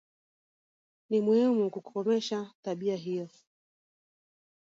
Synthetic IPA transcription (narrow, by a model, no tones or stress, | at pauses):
nimuhimukukukɔmɛʃataɓiaɦijɔ